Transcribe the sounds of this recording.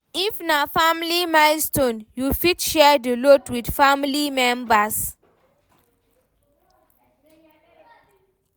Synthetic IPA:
ifnafamlimalstõnjufitʃɛdəlotwidfamlimɛ̃mbas

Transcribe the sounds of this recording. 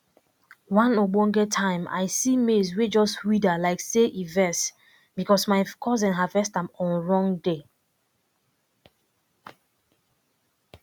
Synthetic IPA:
wãnobɔ̃ŋɡɛtʰãɪ̃ma̰ɪsimezwed͡ʒɔstwidalaɪkseʔivɛs | bikɔsmaɪkʰɔzɛ̃nɦavɛstãmɔ̃nɹɔ̃ŋde

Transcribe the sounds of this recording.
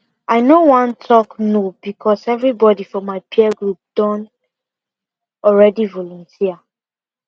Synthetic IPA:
aɪnowãntʰɔknob̥ikʰɔsɛvɹibɔdifɔ̃maɪpʰiɛɡɹup̚d̥ɔ̃n | ɔlɹɛdivɔlɔ̃ntʰia

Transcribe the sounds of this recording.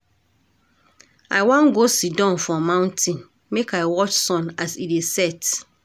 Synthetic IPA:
a̰ɪwãnɡosidɔ̃nfɹɔ̃mãʊ̃ntʰĩn | mekaɪwɔt͡ʃsɔ̃nasidesɛt

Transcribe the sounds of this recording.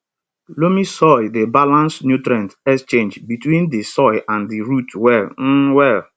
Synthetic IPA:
lomisɔɪdebalãnsnjutɾãntɛkst͡ʃẽnd͡ʒbitwĩndisɔɪʔãndiɾutwɛln̩wɛl

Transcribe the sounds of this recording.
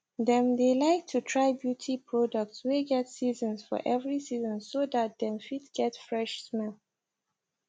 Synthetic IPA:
dɛ̃mdelaɪk̚tʰutʰɹaɪbjutʰipʰɹɔdək̚tsweɡɛtsizə̃nsfɔ̰ʔɛvɹisizɔ̃nsodat̚d̪ɛ̃nfidɡ̥ɛtfɹɛʃsmɛl

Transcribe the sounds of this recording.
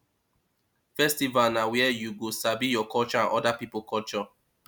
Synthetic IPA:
fɛstivalnawɛjuɡosabijɔkʰɔlt͡ʃɔãnʔɔdapipəlkʰɔlt͡ʃɔ

